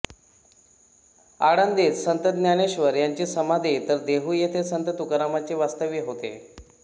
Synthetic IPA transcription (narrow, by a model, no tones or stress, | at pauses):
aɽənd̪et͡ssənt̪əd̪njaneɕʋəɾjaɲt͡ɕeːsəmad̪ʱet̪əɾd̪eɦuːjet̪ʰesənt̪ət̪ukɾamat͡ɕeʋast̪əʋjiɦot̪ḛ